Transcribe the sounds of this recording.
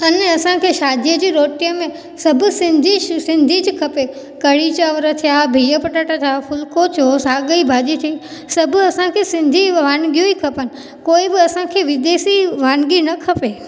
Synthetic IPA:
ɐnɐsãkʰeːʃaːd̪ʱijəd͡ʑiːɾoːʈijəmẽ | sɐbʱʊsɪ̃nd̪ʱisɪ̃nd̪ʱid͡ʑkʰɐpe | kɐɽit͡ɕaʋəɾət̪ʰijaːbʱijəpɐʈaʈat̪ʰijaːpʰʊlkot̪ʰosaːɡəibʱaːd͡ʒit̪ʰii | sɐbʱɐsãkʰesɪ̃nd̪ʱiʋaːnɡijoikʰɐpənɪ̆ | koːibɪɐsãkʰeʋɪd̪eːsiʋaːnɡinɐkʰɐpeː

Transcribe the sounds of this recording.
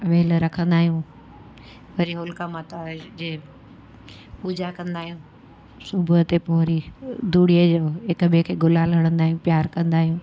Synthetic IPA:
ʋeːlɾɐkʰə̃nd̪aːɦijũː | ʋɐɾiɦʊlkamat̪ad͡ʑeː | puːd͡ʑakɐ̃nd̪aːɦijũː | sʊbʱət̪epoɾid̪uːɽiəd͡ʑoɦɪkbekʰeːɡʊlaːlɐɽ̃ə̃nd̪aːɦiũpjaːɾkɐ̃nd̪aːɦijũː

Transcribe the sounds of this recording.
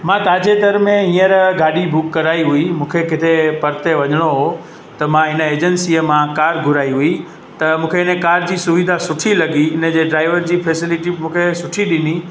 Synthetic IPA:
mãt̪ãːd͡ʑet̪ɐɾmẽɦĩːəɾɡaːɗibʱʊkːɐɾaːiɦʊimũːkʰekɪt̪ʰepɐɾt̪eʋɐɲəɽ̃oɦo | t̪ɐmãɦɪnə̆eːd͡ʑənsiːəmãkaːɾɡʱʊɾaːiɦui | t̪ɐmũːkʰeɦɪnkaːɾd͡ʑiːsʊʋid̪ʱasʊʈʰilɐɡiɪnəd͡ʑeːɖɾaːɪʋəɾd͡ʑiːfʰeːsɪlɪʈimũːkʰesʊʈʰiɗɪni

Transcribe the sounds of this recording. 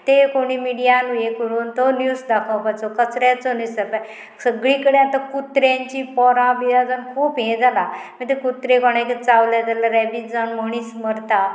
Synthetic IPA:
t̪ekoɽ̃iːmiɽijanujekəɾuːnt̪ɔnjusd̪akʰawpajt͡sɔkət͡sɾjat͡sɔnisəpa | səɡɭiːkəɽeat̪akut̪ɾjaɲt͡ɕiːpɔɾãbiɾad͡zənkʰuːpɦẽd͡zalamit̪ekut̪ɾekɔɽ̃ãkit͡sawlad͡z̪alaɾɛbid͡zanməɽ̃iːsməɾt̪a

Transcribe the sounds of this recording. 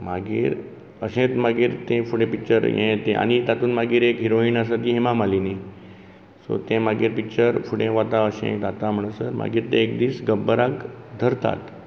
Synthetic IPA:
maɡiːɾ | əɕẽt̪maɡiːɾt̪ẽfuɽẽpikt͡ʃəɾjḛ̃t̪ẽʔa̰nit̪at̪uːnmaɡiːɾekɦiɾoinas̬ət̪iɦẽmamalini | so̰t̪ẽmaɡiːɾpikt͡ɕəɾfuɽẽʋat̪aəɕḛ̃d̪at̪am̤əɳ̃əsəɾma̰ɡiːɾt̪ẽek̚d̪iːsɡəbːəɾakd̪ʱəɾt̪a̰t̪

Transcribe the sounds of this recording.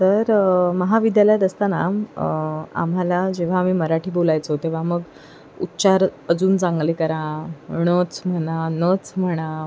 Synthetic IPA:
t̪əɾməɦaʋid̪jaljat̪əst̪anam | a̰m̤alad͡ʑeʋ̤amiːməɾaʈiːbolajt͡sot̪eʋ̤aməɡ | ṵt̪ːɕaɾəd͡zuːnt͡sãŋɡlekəɾãɽ̃ət͡sm̤əɽ̃anət͡sm̤əɽ̃a

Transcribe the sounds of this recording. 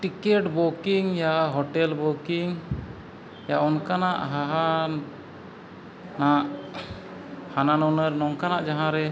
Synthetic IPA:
ʈikɛʈbɔkiŋjaɦɔʈɛlbɔkiŋ | jaɔnkanaʔɦaɦa | naʔ | hananɔnəɾnɔŋkanaʔd͡ʒaɦãɾɛ

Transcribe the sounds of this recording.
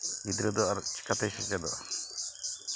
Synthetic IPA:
ɡid̪ɾəd̪ɔaɾt͡ʃi̥kat̪ɛsit͡ʃad̪ɔ

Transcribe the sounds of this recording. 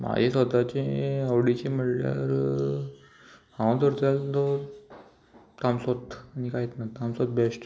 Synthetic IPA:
ma̰d͡ʑesʋət̪at͡ɕeəwɽit͡ɕem̤əɽlja̰ɾ | hãwt̪əɾt͡salt̪o | t̪amsot̪anikajet̪nat̪amsot̪̚besʈ

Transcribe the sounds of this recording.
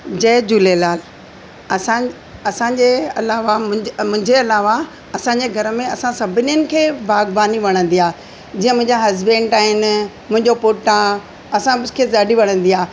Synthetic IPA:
d͡ʑɛːd͡ʑulelaːl | ɐsã | ɐsãɲd͡ʑeɐlaːʋamʊ̃mʊ̃ɦɪ̃ɲd͡ʑeɐlaːʋa | ɐsãːɲd͡ʑeɡʱɐɾəmẽɐsãsɐbʱɪnijənɪ̆kʰeːbʱaːɡbaːniʋɐɽ̃ə̃nd̪iaː | d͡ʑĩːə̃mʊ̃ɦɪ̃ɲd͡ʑãɦɐzbẽːɳʈaːɦɪn | mʊ̃ɦɪ̃ɲd͡ʑopoːʈã | ɐsãskʰeːzaːɖʱiʋɐɽ̃ə̃n̆d̪ijaː

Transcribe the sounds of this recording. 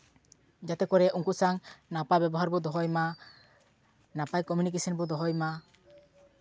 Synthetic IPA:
d͡ʒat̪ekɔɾeʔuŋkusaŋnapabɛbɔɦaɾbud̪ɔɦɔjma | napajkɔmjunikesɔnbud̪ɔɦɔjma

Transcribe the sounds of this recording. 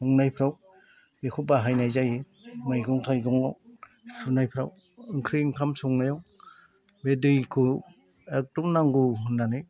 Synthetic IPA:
ɔŋnajpʰɾaw | bekʰubaɦajnajzaji | majɡɔŋtʰajɡɔŋaw | pʰunajpʰɾaw | ɯŋkʰɾiŋkʰamsɔŋnajaw | bedɯjkʰɯ | ek̚tumnaŋɡuɦunːanɯ

